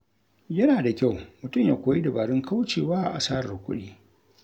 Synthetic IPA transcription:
jɐ˦naː˨da˨kʲa˦˨wmʊ˨tʊ˦mjaː˨kʷoː˨ji˦da˨baː˨ɽɪ˦ŋkʰa˦wt͡ʃeː˨waː˦˨ʔa̰˨saː˦ɾkʷʼʊ̰˦ɗiː˦

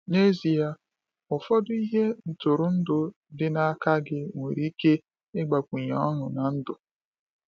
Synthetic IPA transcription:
ne˦zi˨a˦ | ʊ˨fɔ˦dʊ˦i˦ɦe˦n̩˨tʊ˨ɾʊ˨n̩˦dʊ˨ | dɪ˦na˦ka˦ɡɪ˦ŋʷe˨ɾi˦ke˦ | ɪ˦ɡ͡ba˨kʷu˨ɲa˨˦ɔ˦nʊ˨na˨n̩˦dʊ˨

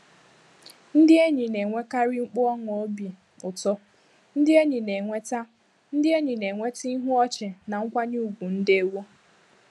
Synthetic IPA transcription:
n̩˦dɪ˦e˦ɲi˨ne˨ŋʷe˦ka˦ɾɪ˦ŋ͡m̩˦k͡pʊ˦ɔ˦ŋ˨o˦bi˨ | ʊ˨tɔ˦ | n̩˦dɪ˦e˦ɲi˨ne˨ŋʷe˦ta˦ | n̩˦dɪ˦e˦ɲi˨ne˨ŋʷe˦ti˦i˦ɦʊ˦ɔ˦t͡ʃe˨na˨ŋ̩˦kʷa˦ɲu˦u˦˨ɡʷu˨n̩˦dɪ˦e˦wo˦

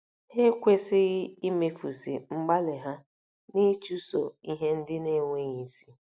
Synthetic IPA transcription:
he˦kʷe˦sɪ˦ɣɪ˦i˦me˦fu˨si˨ŋ͡m̩˦ɡ͡ba˦le˨ɦa˦ | ni˦t͡ʃu˦so̰˨i˦ɦe˦n̩˦dɪ˦ne˦ŋʷe˦ɲi˨si˦

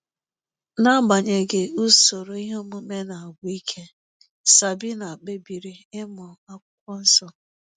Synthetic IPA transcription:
na˦ba˨ɲe˨ɡɪ˨u˦so˨ɾo˨i˦ɦo˦mu˦me˦na˨a˨ɡʷi˦kʰe˦ | sa˨bi˦na˨a˨k͡pe˦bi˨ɾi˦ɪ˦mɔ˨a˦kʷʊ˦kʷɔ˦n̩˦sɔ˦

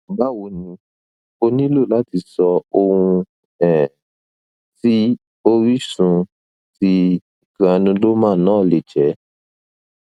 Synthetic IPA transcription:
ba˦wo˧˨nĩ˧ | o˧nĩ˦lo˦˨la˦ti˧sɔ˧o˧hũ˧ | ɛ˨ | ti˦ | o˦ɾi˦sũ˧ | ti˧ | i˨kã˨˧nĩ˧lo˦mãː˦˨nãː˦˨le˨d͡ʒɛ˨˦

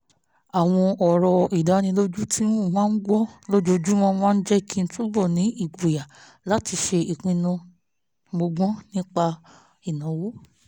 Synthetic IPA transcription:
a˨w̃ɔ̃˧ɔ˨ɾɔ˨i˨da˨˦nĩ˧lo˦d͡ʒu˦tʰi˦n˦˨mãː˦ɡ͡bɔ˦lo˦d͡ʒo˧˦d͡ʒu˦mɔ̃˦mãː˦n̩˦d͡ʒɛ˦i˦˨kʰĩ˧n̩˦tu˦bɔ˦˨nĩ˨˦ʔi˦˨ɡo˨ja˨ | la˨˦ti˧ʃe˧i˨k͡pĩ˧nɔ̃˧ | ɡ͡bo˧ɡ͡bɔ̃˦nĩ˦k͡pa˧ | i˨nã˨˦wo˦

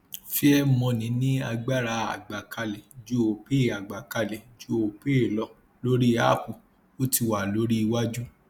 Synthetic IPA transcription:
fi˦ɛ˦mɔ̃˧nĩ˨˦nĩ˦a˧ɡ͡ba˦˨ɾa˧˦a˨ɡ͡ba˨ka˧lɛ˨d͡ʒu˦o˨pe˦˨a˨ɡ͡ba˨ka˧lɛ˨d͡ʒu˦o˨pe˦˨lɔ˧ | lo˦ɾi˦a̰˦˨ku˨ | o˦ti˧wa˨lo˨˦ɾi˦˧wa˦d͡ʒu˦

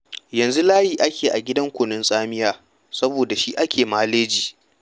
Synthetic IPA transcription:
jɐ˨nzu˦laː˦jiː˨ʔa˦kʲeː˨ʔa˨ɡʲɪ˦dɐ˦ŋkʷʊ˨nʊ˦nsʼaː˦mɪ˦jaː˦ | sɐ˦boː˨da˨ʃi˦ʔa˦kʲʰeː˨maː˦leː˦d͡ʒiː˨

